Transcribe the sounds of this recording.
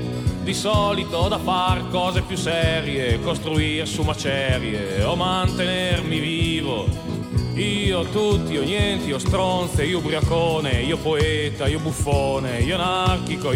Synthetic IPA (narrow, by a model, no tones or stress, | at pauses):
d̪isɔːlit̪oɔd̪afaɾkɔːzepjusɛɾjekost̪ɾuirsumat͡ʃɛɾjḛ | ɔmant̪enɛrmiviːvo | iːot̪ut̪ːiɔɲjɛnt̪iɔst̪ɾɔnθeiːobɾiakoːneiːopoeːt̪aiobufːoːneiːonarkiko